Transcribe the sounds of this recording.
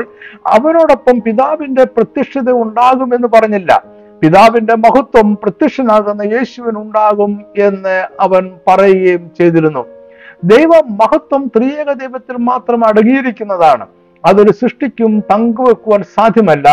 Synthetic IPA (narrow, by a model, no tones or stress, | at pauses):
ɭɐ̰ʋɐno̞ːɽopːɐmpiðaːʋinde̞prɐt̪ːiʂɐðɐuɳɖaːɣume̞nːupɐrɐɲːilːɐ̰ | piðaːʋinde̞mɐɦɐt̪wɐmprɐt̪iʂɐnaːɣunːɐje̞ːɕuʋinuɳɖaːɣume̞nːɨɐʋɐnpɐrɐjiɣejumt͡ɕejt̪iɾunːu | d̪ejʋɐmːɐɦɐt̪wɐmt̪riːjɐɣɐd̪ejʋɐt̪ːilmaːt̪rɐmɐɽɐŋːijiɾikʲːunːɐðaːɳɨ̰ | ɐðo̞ɾuɕrɨʂʈikʲːumt̪ɐŋɡuʋekːuʋaːnsaːd̪ʱjɐmɐlːɐ